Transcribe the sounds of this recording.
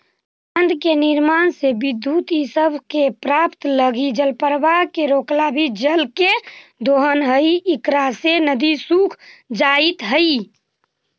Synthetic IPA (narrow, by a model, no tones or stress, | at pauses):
ənd̪keniɾmansebid̪jut̪isəbʱkepɾapt̪ləɡid͡ʒəlpəɾʋakeɾoklabʱid͡ʒəlked̪oɦənɦəjikɾasenəd̪isukʰd͡ʒait̪ɦəi